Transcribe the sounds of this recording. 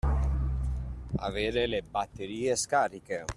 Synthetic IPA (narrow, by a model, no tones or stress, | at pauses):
a̰veːɾelebat̪ːeɾiːeskaːɾike